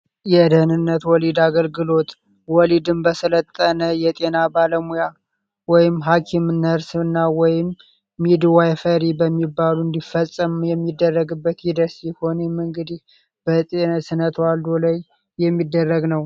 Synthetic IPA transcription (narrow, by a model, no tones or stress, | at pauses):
jɛd̪əhnɨnːət̪wɔlid̪aɡəlɡɨlo̞t̪ | wɔlid̪ɨmbəsələt̪ʼːənəjɛt̪ʼe̞nabaləmuja | wɔjɪmːɦakʰimnəɾsɨnːawɔjɪmː | id̪wajfəɾibəmːibːaluɨnd̪ifːəsʼəmjɛmːid̪ːərːəɡɨbːət̪hid̪əsjɛho̞nəmɨŋɡɨd̪ih | b̥ət̪ʼensɨnət̪wald̪olajː | ɛmːid̪ːərːəɡnəw